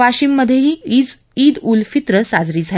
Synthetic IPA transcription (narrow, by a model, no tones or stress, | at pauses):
ʋaɕiːmːəd̪ʱjeɦiːid͡z | iːd̪ulfit̪ɾəsad͡zɾiːd͡zʱa